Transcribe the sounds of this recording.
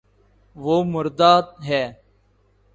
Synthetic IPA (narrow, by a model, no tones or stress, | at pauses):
ʋoːmʊɾd̪aːt̪ɦɛː